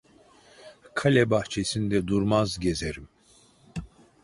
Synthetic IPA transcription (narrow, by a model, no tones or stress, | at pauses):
kʰalʲɛbaht͡ʃʰesind̪ɛd̪uɾmazɟezeɾim